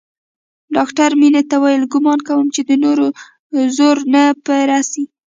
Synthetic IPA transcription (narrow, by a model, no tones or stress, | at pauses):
ɖɑkʈaɾminet̪awajəlɡʊmɑnkawəmt͡ʃed̪ənoɾo | zoɾnapəɾasi